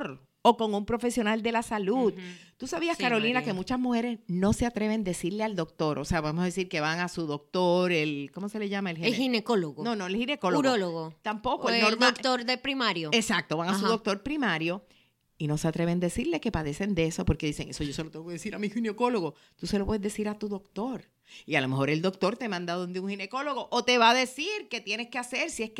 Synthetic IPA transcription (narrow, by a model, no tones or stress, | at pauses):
ɾ | o̞koŋumpɾofe̞sjo̞nald̪e̞lasalud̪t̪usaβiaskaɾo̞linake̞mut͡ʃasmuhe̞ɾe̞sno̞se̞at̪ɾe̞βe̞nd̪e̞siɾleald̪o̞k̚t̪o̞ɾʔose̞aβemosaðes̬iɾke̞βaŋasuðo̞k̚t̪o̞ɾelko̞mo̞se̞le̞ʝamaelhieinekoloɣono̞noelhine̞ko̞louɾoloɣot̪ampo̞koenoɾmdaokt̪oɾdepɾimaɾjoesak̚t̪o̞βaŋasuðok̚t̪o̞ɾpɾimaɾjo̞ | ino̞seat̪ɾe̞βe̞nd̪esiɾle̞ke̞paðe̞se̞nd̪e̞so̞po̞ɾke̞ðise̞ŋe̞so̞ʝo̞selo̞t̪eβokeðesiɾamihineko̞lo̞ɣo | t̪use̞lopweðeðe̞siɾat̪uðo̞kt̪o̞ɾ | ialo̞me̞ho̞ɾe̞ld̪o̞k̚t̪o̞ɾt̪emãnd̪aðond̪euŋhine̞ko̞lo̞ɣo̞ʔot̪e̞βaðe̞siɾke̞t̪je̞ne̞skease̞ɾsiesk